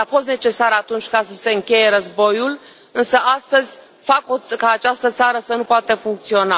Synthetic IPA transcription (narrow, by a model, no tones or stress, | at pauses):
afo̞s̬t̪ne̞t͡ʃe̞saɾat̪unt͡ʃʲkasəse̞ɨŋkʲe̞je̞ɾəzbo̞jul | ɨnsəʔast̪əzʲ | fakokaːt͡ʃast̪ət̪saɾəsənupoat̪əfuŋk̚t̪sio̞na